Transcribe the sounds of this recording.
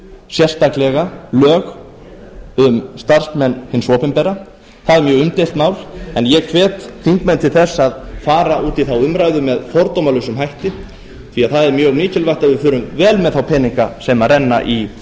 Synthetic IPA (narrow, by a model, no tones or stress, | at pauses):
sjɛ̥st̪aklɛɣalœːɣ | ʏmst̪ar̥smɛnːhɪnsɔːpɪmpɛɾa | θaðɛɾmjœːɣʏmt̪elt̪maːwlɛnjɛkʰvɛːt̪θiŋkmɛnt̪ʰɪlθɛsːaðfaːɾaʔuːt̪iθawʏmɾajðʏmɛðfɔɾt̪owmalʏsʏmɦajht̪ɪ | θviaðθaðɛɾmjœːɣmiːcɪlvajht̪avɪfʏːɾʏmvɛːlmɛðθawpʰɛːniŋka̰sɛmarɛnːa̰ʔi